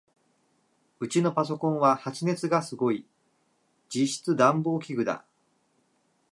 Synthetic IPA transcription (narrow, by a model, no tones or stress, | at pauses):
ɯ̟t͡ɕino̞pas̬o̞kõ̞ɰ̃βahat͡ɕine̞t͡sɨɡasɨɡo̞i | d͡ʑiɕi̥t͡sɨd̪ãmbo̞ːkʲiɡɯ̟d̪a̰